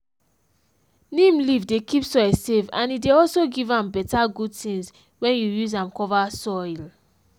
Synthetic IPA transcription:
nĩmlivdekipsɔɪlsevã̰nideɔlsoɡivãmbɛtaɡud̚tĩŋz | wɛ̃njujuzãmkɔvasɔl

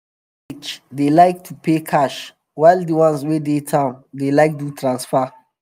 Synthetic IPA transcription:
it͡ʃdelaɪk̚tʰupʰekʰaʃ | waɪldiwãnswedetʰãmdelaɪk̚tutʰɹãnsfa

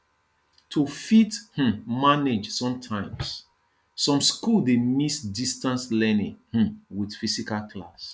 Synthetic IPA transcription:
tʰufith̩maned͡ʒsɔ̃mtʰãɪ̃ms | sɔ̃mskuldemisdistãnslɛnĩŋh̩widfisikalkʰla̰s

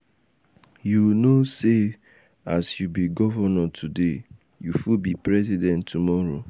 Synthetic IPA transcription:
junose | asjubiɡɔvɔnɔtʰude | jufubipɹɛsidɛ̃ntːumɔɹo

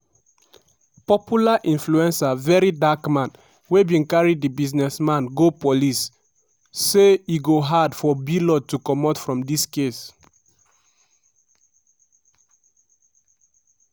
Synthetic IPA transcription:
pɔpjulaʔĩnfluɛ̃nsavɛɹidakmãn | webĩnkaɹidibiznɛsmãnɡopolisː | eiɡoɦadfɔbilɔd̚tukɔmɔtfɹɔ̃mdiskes

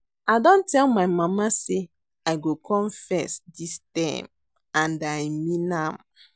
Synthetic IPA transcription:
aɪdɔ̃ntɛlmaɪmamase | aɪɡokʰɔ̃mfɛsdistãɪm | ãndajminãm

